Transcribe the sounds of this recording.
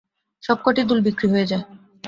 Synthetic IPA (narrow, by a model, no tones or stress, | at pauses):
ʃɔb̚koʈid̪ulbikɾiɦojed͡ʑae